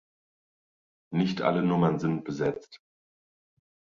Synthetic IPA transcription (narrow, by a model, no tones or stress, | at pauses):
nɪçtʰʔa̰lənʊmɐnzɪnt̚b̥əzɛt͡st